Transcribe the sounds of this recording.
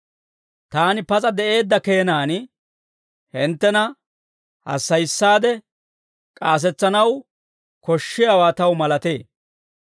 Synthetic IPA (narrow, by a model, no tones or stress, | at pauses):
t̪aːnɪpɐt͡sʼɐd̪ɛʔe̞ːd̪ːɐke̞ːnaːn | hɪnt̪ːɛnɐ | hɐ̰sːɐjsːaːd̪ɛ | kʼaːs̬ɛt͡sːɐnɐw | kɔʃːɪjawaːt̪ɐwmɐlɐt̪eː